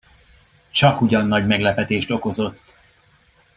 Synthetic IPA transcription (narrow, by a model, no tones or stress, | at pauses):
t͡ʃɒkuɟɒnːɒɟmɛɡlɛpɛt̪eːʃt̪o̞ko̞zo̞t̪ː